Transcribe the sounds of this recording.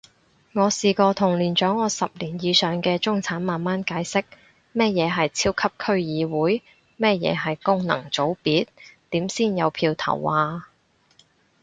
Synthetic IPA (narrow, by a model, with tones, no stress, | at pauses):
ŋɔː˨˧siː˨kɔː˧t̪ʰʊ˨˩ŋliː˨˩nt͡ʃœː˨˥ŋɔː˨˧sɐ˨p̚liː˨˩njiː˨˧sœː˨ŋkɛː˧t͡sʊ˥ŋt͡sʰaː˨˥nmaː˨nmaː˥nkaː˨˥jsɪ˥k̚ | mɛː˥jɛː˨˧ɦɐ˨jt͡sʰiː˥wkʰɐ˥p̚kʰɵ˥ɥjiː˨˧wuː˨˥j | mɛː˥jɛ̰ː˨˧ɦɐ˨jkʊ˥ŋnɐ̰˨˩ŋt͡so˨˥wpiː˨˥t̪̚t̪iː˨˥msiː˥˩njɐ˨˧wpʰiː˧wt̪ʰɐ̰˨˩wʔaː˨˧